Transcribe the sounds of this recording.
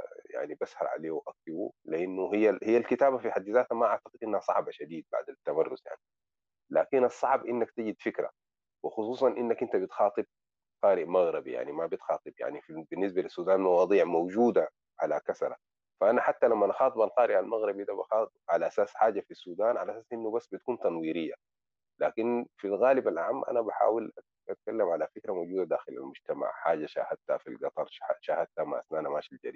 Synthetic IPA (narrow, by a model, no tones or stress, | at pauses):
ja̰ʕnibashɑ̰ɾˤʕa̰leːwʔak̚t̪ibṵliʔanːuɦijːahijːalkit̪aːbafiħad̪ːizaːt̪hamaʔaʕt̪ḁqɨd̪ʔinːhasˤɑ̰ʕbaʃad̪iːd̪̚ba̰ʕd̪at̪ːamɑrːʊzja̰ʕni | laːkinʔɑsˤːɑʕbʔinːakt̪aɟid̪fikɾa̰ | wɪxʊsˤuːsˤɑnʔinːakʔint̪abit̪xɑːt̪ˤɨb̚ | qɑːɾɪʔmaɣɾɑbḭja̰ʕnimabit̪xɑːt̪ˤɨbja̰ʕnifibinːis̬balisːuːd̪aːnmɑwɑːd̪ˤiːʕmawd͡ʒuːd̪a | ʕa̰lakasɾˤɑ̰ | faʔanaħat̪ːalamːanɑxɑːt̪ˤɨbalqɑːɾɪʔalmaɣɾibid̪abaxɑːt̪ˤbʕalaʔasaːsħaːɟafisːuːd̪aːnʕalaʔasaːsʔinːubasːbit̪ḁkuːnt̪ɑnwiːɾijːa | laːkinfilɣaːlibalʕamːʔa̰nabaħa̰ːwila | ʔat̪̚kalːamʕalafikɾamowɟuːd̪ad̪aːxila̰lmʊɟt̪ama̰ʕħaːɟaʃa̰ːhad̪̚t̪ha̰fḭlɡɑt̪ˤɑɾˤʃaʃahad̪̚t̪hama̰ʔa̰snaːnamaːʃild͡ʒa̰ɾiː